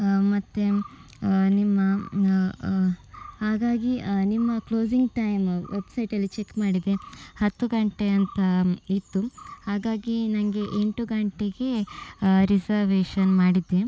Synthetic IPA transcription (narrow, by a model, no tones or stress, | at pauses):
mɐt̪ːe | nimːɐ | haːɡaːɡinimːɐkloːziŋɡʈɐjmʋe̞bsɐjʈɐlːit͡ʃekːmaːɽid̪ehɐt̪ːuɡɐɳʈeɐnt̪ɐit̪ːuhaːɡaːɡinɐŋɡe̞ʔeɳʈuɡɐɳʈeɡe̞ | ɾisɐɾʋeːʂɐnmaːɽid̪ːe